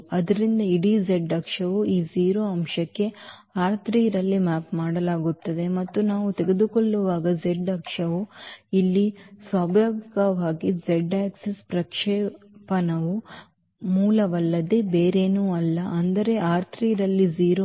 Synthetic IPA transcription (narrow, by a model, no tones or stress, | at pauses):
ɐd̪ɐɾind̪ɐiɽid͡ʒeɖɐkʂɐʋuiːd͡ʒiːɾoːɐmʃɐkːe̞ | aːɾt̪ʰɾiːɾɐlːimaːpmaːɽɐlaːɡut̪ːɐd̪e̞mɐt̪ːunaːʋut̪eɡe̞d̪ukoɭːuʋaːɡɐd͡ʒeɖɐkʂɐʋuilːisʋaːbʱjoːɡikɐʋaːɡid͡ʒeɖaːksespɾɐkʂɛː | pɐnɐʋu | muːlɐʋɐlːɐd̪e̞beːɾe̞ːnuːɐlːɐʔɐnd̪ɐɾe̞ʔaːɾt̪ʰɾiːɾɐlːid͡ʒiːɾo